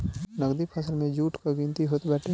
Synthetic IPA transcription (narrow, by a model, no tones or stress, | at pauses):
nɐɡd̪ipʰəsəlmẽd͡ʒuːʈʰkaɡĩnt̪iɦoːt̪bɛːʈʰe